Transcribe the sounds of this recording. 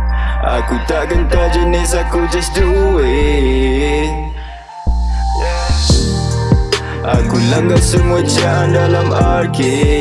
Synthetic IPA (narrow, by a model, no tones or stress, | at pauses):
ʔa̰kut̪aʔɡənt̪ad͡ʒinesakːod͡ʒɐsduwe | ʔa̰kulɐŋɡasumot͡ʃandalamaɾke